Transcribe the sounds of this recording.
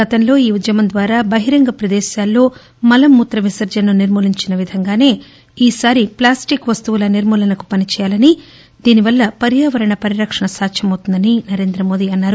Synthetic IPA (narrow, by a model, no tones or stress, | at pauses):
ɡɐt̪ɐnlo̞ːiːud̪jɐmɐnd̪ʋaːɾaːbɐɦiɾɐŋɡɐpɾɐd̪ɛːʃjaːlːo̞ː | mɐlɐmːuːt̪ɾɐʋisɐɾd͡ʒɐnːuniɾmuːliɲt͡ʃinɐʋid̪ʱɐŋɡaːne̞ː | iːsaːɾiplaːsʈikʋɐst̪uʋulɐniɾmuːlɐnɐku̥pɐnit͡ʃɛːjaːlɐni | d̪iːniʋɐlːɐpɐɾjaːʋɐɾɐɳɐpɐɾiɾɐkʂɐɳɐsaːkʃɐmɐwt̪und̪ɐninɐɾe̞ːnd̪ɾɐmo̞ːd̪iːɐnːaːɾu